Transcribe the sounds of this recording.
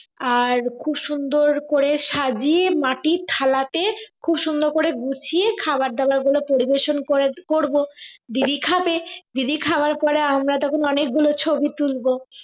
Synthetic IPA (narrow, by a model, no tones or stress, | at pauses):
aɾkʰubʃund̪oɾkoɾeʃad͡ʑiemaʈit̪ʰalat̪ekʰubʃund̪oɾkoɾeɡut͡ɕʰiekʰabaɾ̚d̪ɛbaɾɡulopoɾibeʃonkoekoɾbod̪id̪ikʰaped̪id̪ikʰabaɾpɔɾeamɾad̪ɔkʰunɔnek̚ɡulot͡ɕʰobit̪ulbo